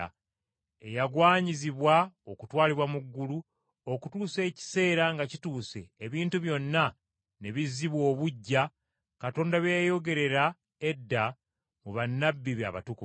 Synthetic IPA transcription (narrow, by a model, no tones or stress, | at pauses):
a | e̞̰jaɡwaːɲiziβwao̞kutwaːliβwamuɡːulu | o̞kutuːse̞ːci̥se̞ːɾaŋɡacituːse̞̰ːβiːntuβjo̞nːa | ne̞βizːiβwo̞ːβuɟːa | kato̞ːndaβejajo̞ɡe̞ɾe̞ɾa | e̞dːa | muβanːabːiβa̰βa̰tuku